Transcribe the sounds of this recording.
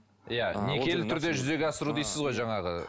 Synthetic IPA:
ijane̞kʲe̞lɪt̪ʰʏɾd̪e̞ʒʏze̞ɡʲeɑsəɾud̪ejsɪzʁo̞jʒɑɴɑʁə̰

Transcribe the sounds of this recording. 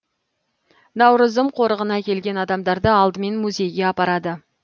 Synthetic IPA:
nɑwɾəzəmqʰo̞ɾəʁənɑkʲʰe̞lɡʲe̞nɑd̪ɑmd̪ɑɾd̪əɑlˠd̪əme̞nmuzʲe̞jɡʲe̞ɑpɑɾɑd̪ə

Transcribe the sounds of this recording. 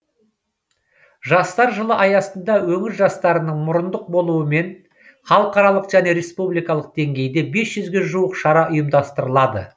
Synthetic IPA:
ʒɑst̪ɑɾʒəlˠəʔɑjɑsənd̪ɑwɵŋɪɾʒɑst̪ɑɾənəɴmʊɾənd̪əq̚bo̞lˠuəme̞n | χɑlˠəqɑɾɑlˠəqʒ̥æne̞ɾe̞spublijkɑlˠəq̚d̪̥e̞ŋɡʲe̞jd̪e̞be̞sʒ̥ʏzɡʲe̞ʒuwəqʃɑɾɑʔʊjəmd̪ɑst̪əɾəlˠɑd̪ə̰

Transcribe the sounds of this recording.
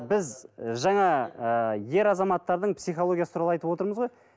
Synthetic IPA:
bɪzʒɑɴɑəje̞ɾɑzɑmɑt̪ːɑɾd̪əɴpsijχoo̞ɡʲijasə̥t̪uɾɑlˠɑjt̪əpwo̞t̪əɾməzʁo̞j

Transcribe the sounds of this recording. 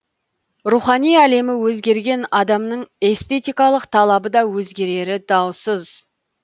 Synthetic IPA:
ruχɑnijæle̞mɪwɵzɡʲe̞ɾɡʲe̞nɑd̪ɑmnəɴe̞st̪e̞t̪ijkɑlˠəqt̪ʰɑlˠɑbəd̪ɑwɵzɡʲe̞ɾe̞ɾɪd̪ɑwsəz̥

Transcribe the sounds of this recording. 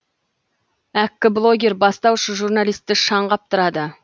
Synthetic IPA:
ækʲːɪblˠo̞ɡʲe̞ɾbɑst̪ɑwʃəʒurnɑlijst̪ːɪʃɑɴʁɑp̚t̪ʰʊɾɑd̪ə

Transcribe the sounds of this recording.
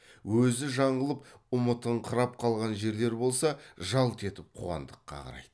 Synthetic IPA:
wɵzɪʒɑɴʁəlˠəp̚ʊmət̪əɴqʰəɾɑp̚qʰɑlˠʁɑnʒe̞ɾle̞ɾbo̞lˠsɑʒɑlˠt̪ʰe̞t̪ɪp̚qʰṵɑ̰nd̪əqːɑ̰qʰɑ̰ɾɑ̰jd̪̥ə

